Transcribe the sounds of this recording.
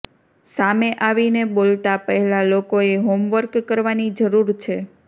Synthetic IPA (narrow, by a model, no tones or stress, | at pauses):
sameʔaʋinebolt̪apəɦɛlalokoeɦomʋəɾkːəɾʋanid͡ʒəɾuɾt͡ʃʰe